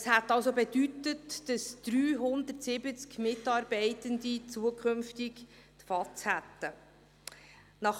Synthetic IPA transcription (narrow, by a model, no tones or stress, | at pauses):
əshæt̪ːɑwsobedytətd̥əsd̪̥ɾyːɦʊnd̪ərtsɪbət͡skmɪtɑːɾbɛɪtənd̪it͡suəkχɵmftɪk | t̪fɑt͡shæt̪ːə | nɑχ